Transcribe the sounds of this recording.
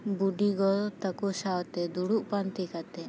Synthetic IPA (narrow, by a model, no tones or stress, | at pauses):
buɖiɡɔlt̪əkusawt̪ɛd̪uɽuʔpant̪ikat̪ɛ